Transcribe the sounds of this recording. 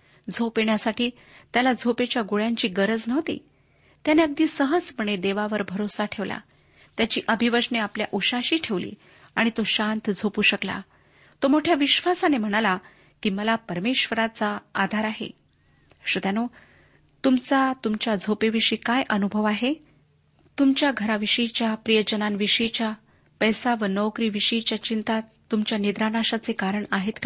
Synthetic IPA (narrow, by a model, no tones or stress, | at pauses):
d͡zʱopjeɳjasaʈiː | t̪jalad͡zʱopet͡ɕjaɡoɭjãɲt͡ɕiːɡəɾəd͡znəʋt̪ḭː | t̪janeəɡ̚d̪iːsəɦəd͡zpəɳ̃ed̪eʋaʋəɾbʱəɾosaʈʰeʋla̰ | t̪jat͡ɕiːʔəbʱiʋəʂneapljaʔuɕaɕiːʈʰeʋlḭː | aɽ̃it̪oɕant̪d͡zʱopuːɕəkla̰ | t̪omoʈʰjaʋiɕʋasanem̤əɽ̃ala | kiːməlapəɾmeɕʋəɾat͡saːd̪ʱaɾaɦḛ | ɕud̪jano | t̪umt͡sat̪umt͡ɕjad͡zʱopeʋiɕiːkajʔənubʱəʋaɦe | t̪umt͡ɕjaɡʱəɾaʋiɕəjt͡ɕjapɾijəd͡ʑənanʋiʂəjt͡ɕja | pəjsaʋənəwkɾiːʋiɕəjt͡ɕjat͡ɕint̪at̪ːumt͡ɕjaned̪ɾanaɕat͡sekaɾəɳaɦet̪k